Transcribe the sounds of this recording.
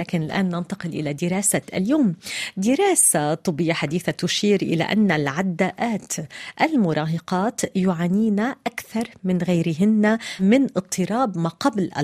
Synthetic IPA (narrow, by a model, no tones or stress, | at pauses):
aːkɪnɪlʔa̰ːnːant̪ɑqɪlʔɪ̰lad̪ɪɾɑːsaʔa̰ljoːmd̪ɪɾˤaːsat̪ˤʊbɪjːaħad̪iːθat̪ʊʃiːɾʔɪ̰la̰ʔa̰nːalʕad̪ːaːʔaːt̪ʔalmʊɾˤɑːɦɑqɑːt̪jʊʕaːniːnaʔakθɑɾˤmɪnɣajɾɪɦɪnːamɪnʔɨt̪ˤːɨɾˤɑːbmaːqɑblʔa̰